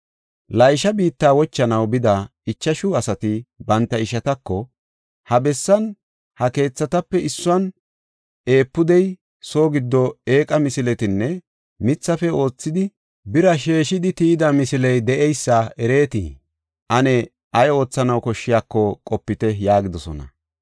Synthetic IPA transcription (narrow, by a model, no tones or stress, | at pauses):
lɐjʃɐbiːt̪ːaːwɔt͡ʃːɐnɐwbɪd̪ɐ | ɪt͡ʃːɐʃʊɐsɐt̪ɪbɐnt̪ːɐɪʃɐt̪ɐkːɔ | hɐbɛsːɐn | hɐke̞ːt͡sːɐt̪ɐpːɛɪsːʊɐn | e̞ːpːʊd̪ɛj | so̞ːɡɪd̪ːɔe̞ːkʼɐmɪsɪlɛt̪ɪnːɛ | mɪt͡sːɐfɛo̞ːt͡sːɪd̪ɪ | bɪɾɐʃe̞ːʃɪd̪ɪt̪iːd̪ɐmɪsɪlɛjd̪ɛʔɛjsːɐɛɾe̞ːt̪ḭ | ʔɐnɛ | ʔɐjo̞ːt͡sːɐnɐwkɔʃːɪjaːkːɔkʼɔpːɪt̪ɛjaːɡɪd̪ɔsɔ̰nɐ̰